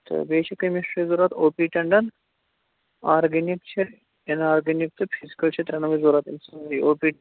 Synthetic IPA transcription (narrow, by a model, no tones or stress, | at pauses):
t̪ɐ̰beːʃʰɐkɐmisʈɾizuːɾat̪oːpiːʈɐɳɖɐn | aːɾɡenikt͡ʃʰe | enaːɾɡɐnik̚t̪ɨpʰizi̥kɐlt͡ʃʰet̪ɾɐnɐʋɐzuːɾat̪insɐziːoːpiː